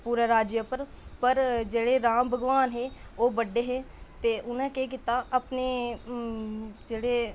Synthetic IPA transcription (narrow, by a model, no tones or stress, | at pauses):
puːɾaɾaːd͡ʒjəpəɾpəɾd͡ʒeːɽeːɾaːmbʱəɡʋaːnɦeːoːbəɖːeːɦeː | t̪eːʔʊnẽːkeːk̬ɪt̪aːʔəpneː | d͡ʒeːɽeː